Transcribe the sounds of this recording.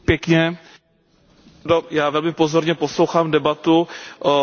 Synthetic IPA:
pjɛkɲɛ | dojaːvɛlmɪpozoɾɲɛpo̞slowxaːmdɛbat̪u

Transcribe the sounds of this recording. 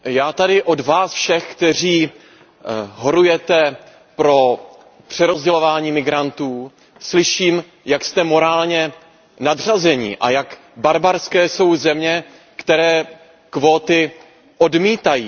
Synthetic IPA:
jaːt̪adɪʔo̞dvaːsfʃɛxkt̪ɛr̝iː | ɦoɾujɛt̪ɛ | pɾo̞ | pr̝̥ɛɾo̞zɟɛlo̞vaːɲiːmɪɡɾant̪uː | slɪʃiːm | jakst̪ɛmo̞ɾaːlɲɛ | nadr̝azɛɲɪ̰ʔa̰jak | baɾbaɾskɛːso̞wzɛmɲɛ | kt̪ɛɾɛː | kvo̞ːt̪ɪ | ʔodmiːt̪ajiː

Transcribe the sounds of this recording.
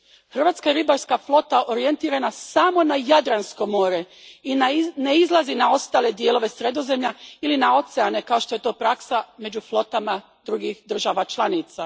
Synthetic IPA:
xr̩ʋaːt̪skajeɾibaɾskaflˠo̞t̪aʔoɾije̞nt̪iːɾanasamo̞najad̪ɾansko̞mo̞ːɾe̞ | ineizlˠazinao̞st̪aːle̞d̪je̞lo̞ʋe̞sɾe̞d̪o̞ze̞mʎailinao̞t̪seane̞kao̞ʃt̪o̞je̞t̪o̞ːpɾaksame̞d͡ʒuflˠo̞t̪ama | d̪ɾuɡixd̪r̩ʒaʋat͡ʃlˠanit̪sa

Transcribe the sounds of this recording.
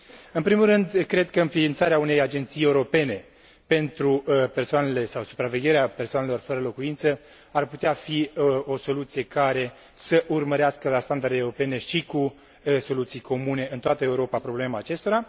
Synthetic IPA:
ɨnpɾimulɾɨnd̪kɾe̞d̪kəɨnfiːnt̪saɾeaune̞jad͡ʒe̞nt̪sije̞uɾo̞pe̞ne̞ | pe̞nt̪ɾupe̞rsoane̞le̞sawsu̥pɾave̞ɡʲe̞ɾeape̞rsoane̞lo̞rfəɾəlo̞kuint̪sə | arput̪eafio̞so̞lut̪sije̞kaɾe̞ | səʔurməɾeaskəlast̪and̪aɾrd̪ewuɾo̞pe̞ne̞ʃiku | so̞lut̪sijkʰo̞mune̞ʔɨnt̪oat̪əe̞uɾo̞papɾo̞ble̞maːt͡ʃe̞st̪o̞ɾa

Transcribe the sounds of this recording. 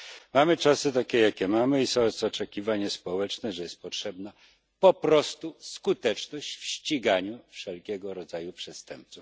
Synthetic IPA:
mamɘt͡ʂasɘt̪̬akʲɛjakʲɛmamɘisɔ̃sɔt͡ʂɛkʲivaɲaspɔwɛt͡ʂnɛʐɛjɛst̪̚pɔtʂɛbna | pɔpɾɔst̪uskut̪ɛt͡ʂnɔɕt͡ɕfɕt͡ɕiɡaɲufʂɛlkʲɛɡɔɾɔd̪zajupʂɛst̪ɛmp̚t̪suf

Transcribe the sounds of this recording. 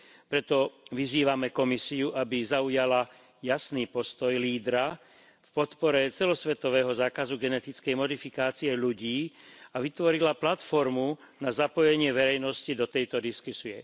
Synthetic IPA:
pɾɛt̪ɔʋiziːʋamɛkɔmisiuʔabizaujala | jasniːpɔst̪ɔjliːd̪ɾa | fpɔt̪pɔɾɛt͡sɛlɔsʋɛt̪ɔʋɛːɦɔzaːkazuɡɛnɛt̪it͡skɛjmɔd̪ifikaːt͡siɛʎuɟiːaʋit̪ʋɔɾilaplat̪fɔɾmu | nazapɔjɛɲɪɛʋɛɾɛjnɔscid̪ɔt̪ɛjt̪ɔd̪iskusiɛ

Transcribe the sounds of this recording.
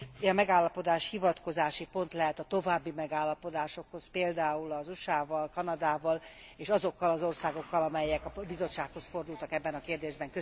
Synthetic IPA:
ɒmɛɡaːlːɒpo̞d̪aːʃhivɒt̪ko̞zaːʃipo̞nt̪lɛɦɛt̪ɒt̪o̞vaːbːimɛɡaːlːɒpo̞d̪aːʃo̞kho̞speːld̪aːulɒzuʃaːvɒlkɒnɒd̪aːvɒl | eːʃɒzo̞kːɒlɒzo̞rsaːɡo̞kːɒlɒmɛjːɛkɒbizo̞t͡ʃʃaːkho̞sfo̞rd̪ult̪ɒkɛbːɛnɒkeːrd̪eːʒbɛŋkø

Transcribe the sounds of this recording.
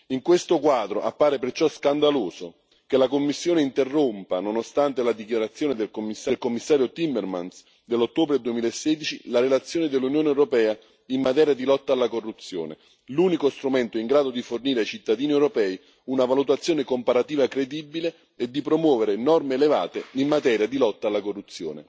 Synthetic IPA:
iŋkwest̪okwaːd̪ɾoʔa̰pːaːɾepert͡ʃɔskand̪aloːso | kelakomːisːjoːneint̪erːompanonost̪ant̪elad̪ikjaɾat̪sjoːned̪elkomːisːalkomːisːaːɾjot̪imːerma̰ns | d̪elːot̪ːoːbɾed̪uemiːlaesːɛːd̪it͡ʃilaɾelat̪sːjoːned̪elːunjoːnɛwɾopɛːa | imːat̪ɛːɾjad̪ilɔt̪ːaːlːakorːut̪sːjo̰ːnḛ | luːnikost̪ɾumɛnt̪oiŋɡɾaːd̪od̪iforniːɾeajt͡ʃit̪ːad̪iːniɛwɾopɛːi | unavalut̪at̪sːjoːnekompaɾat̪iːvakɾed̪ibːileː | d̪ːipɾomwɔːveɾenɔrmeːleva̰ːt̪eimːat̪ɛːɾjad̪ilɔt̪ːaːlːakorːut̪sːjo̰ːnḛ

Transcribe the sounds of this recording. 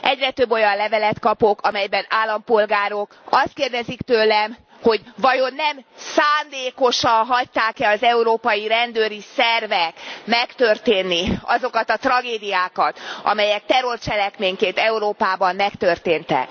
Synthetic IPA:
ʔɛɟrɛt̪øbːo̞jɒnlɛvɛlɛt̪kɒpo̞kʰɒmɛjbɛnaːlːɒmpo̞lɡaːɾokɒst̪keːrd̪ɛzikt̪øːlɛm | ho̞ɟvɒjo̞nːɛmsaːnd̪eːko̞ʃɒnɦɒct̪aːkɛɒzɛuɾoːpɒjiɾɛnd̪øːɾisɛrvɛkmɛkt̪ørt̪eːnːiɒzokɒt̪ɒt̪rɒɡeːd̪ijaːkɒt̪ʔɒ̰mɛjɛk̚t̪ɛɾo̞rt͡ʃɛlɛkmeːɲkeːnt̪ɛuɾoːpaːbɒmːɛkt̪ørt̪eːnt̪ɛ̰k

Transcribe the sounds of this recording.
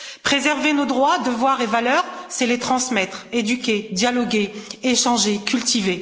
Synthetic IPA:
pχezɛʁvenod̪ʁwad̪əvwaʁevalœʁsɛlet̪χɑ̃smɛt̪χed̪ykʲed̪jalɔɡʲeeʃɑ̃ʒekʲylt̪ʰive

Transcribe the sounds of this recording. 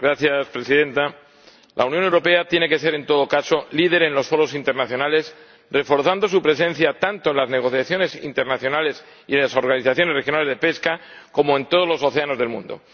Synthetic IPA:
ɡɾaθjaspɾe̞siðẽ̞nt̪a | lʔa̰unjonewɾo̞pe̞at̪je̞ne̞ke̞s̬e̞ɾe̞nt̪o̞ð̞o̞kaso̞lið̞e̞ɾenlo̞sfo̞ɾo̞sint̪enaθjo̞nale̞s | re̞fo̞ɾθand̪osupɾe̞se̞n̟θjat̪ant̪oenlazneɣ̞o̞θjaθjo̞ne̞sḭnt̪e̞ɾnaθjo̞nale̞s | ienlaso̞ɾɣaniθaθjone̞rexjo̞nale̞zðe̞pe̞skako̞moẽnt̪oð̞olo̞so̞θe̞ano̞zðe̞lmṵ̃nd̪o̰

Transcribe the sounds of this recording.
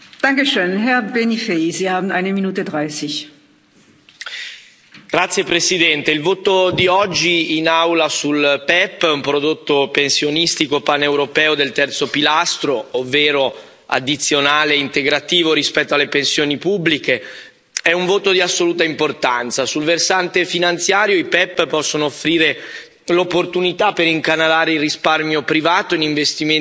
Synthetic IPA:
d̥aŋkəʃøːnɦɛɐbenifeziːhaːbn̩aɪnəminuːtədʁaɪsɪç | ɡ̥ɾat̪sːjepɾesid̪ɛnt̪eilvoːt̪od̪iɔd͡ʒːiːnawlasulpɛpːɛumpɾod̪ot̪ːopensjonist̪ikopanewɾopɛːod̪elt̪ɛrt̪sopilast̪ɾoovːeːɾo | a̰d̪ːit̪sːjonaːleint̪eɡɾat̪iːvoɾispɛt̪ːoalːepensjoːnipubːlike | ɛuɱvoːt̪od̪iasːoluːt̪aimport̪ant̪sasulversant̪efinant̪sjaːɾjoipɛpːpɔsːonoːfːɾiːɾe | lopːort̪unit̪apːeɾiŋkanalaːɾeilrisparmjopɾivaːt̪oiniɱvest̪ime

